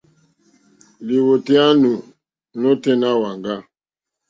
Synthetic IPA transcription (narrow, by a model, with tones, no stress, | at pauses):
li˨wo˨tɛ˦a˦nu˨ | no˦tɛ˦na˦wa˨ŋɡa˦